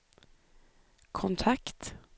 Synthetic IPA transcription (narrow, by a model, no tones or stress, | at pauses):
kʰɔnt̪ʰakt̪